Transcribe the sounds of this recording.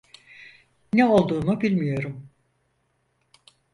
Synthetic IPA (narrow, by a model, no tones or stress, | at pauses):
nɛo̞lˠd̪uːnubilʲmijo̞ɾum